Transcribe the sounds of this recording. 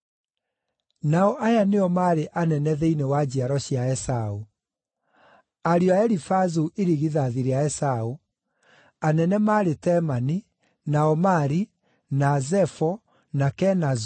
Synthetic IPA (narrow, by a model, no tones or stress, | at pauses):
naɔʔajaneɔmaːɾeʔanɛnɛðeinewad͡ʑiaɾɔɕiaɛsau | aɾiɔaɛɾifazuʔeɾiɣiðaðiɾeaɛsau | anɛnɛmaːɾetɛmani | naɔmaɾi | nazɛfɔ | nakɛnaz